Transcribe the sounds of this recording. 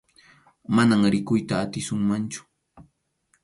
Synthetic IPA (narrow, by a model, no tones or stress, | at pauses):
manaŋɾɪkʊjt̪aːt̪ɪsʊŋmant͡ʃʊ̥